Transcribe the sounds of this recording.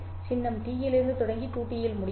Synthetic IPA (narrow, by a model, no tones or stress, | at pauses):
t͡ʃɪnːɐmt̪iːjɪlɪɾnd̪ɯt̪ɔɽɐŋɡiʈ̪uːpːɪjɪlmʊɽɪ